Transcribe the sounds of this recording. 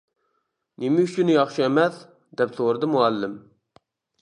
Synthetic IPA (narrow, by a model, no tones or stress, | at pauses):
nɪmɪyt͡ʃynɪjɑχʃiɛmɛθ | d̪ɛpsoɾɨd̪ɨmuɛlːɪm